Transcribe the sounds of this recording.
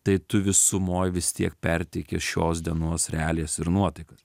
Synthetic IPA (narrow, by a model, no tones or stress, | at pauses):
t̪ɐɪt̪ʊʋʲɪsʊmoːjʋʲɪst̪ʲiɛkpʲɛɾʲt̪ʲɪkʲesʃʲoːs̬d̪ʲiɛnoɔsɾʲɛæːlʲeːsɪɾnuɔt̪ɐɪkɐs